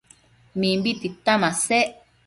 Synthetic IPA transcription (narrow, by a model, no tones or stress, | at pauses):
mĩmbit̪it̪amãseʔ